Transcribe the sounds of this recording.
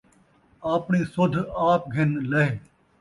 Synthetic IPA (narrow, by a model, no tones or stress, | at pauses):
aːpɳiːsʊd̪ʱaːp̚ɡʱɪnlɐɦeː